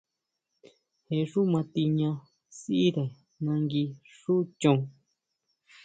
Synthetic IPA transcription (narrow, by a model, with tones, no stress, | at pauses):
he˧˨ʂu˦mã˧t̪i˧ɲã˧ | si˦i˦ðe˨ | nã˧ŋɡi˧ʂu˦t͡ʃõ˧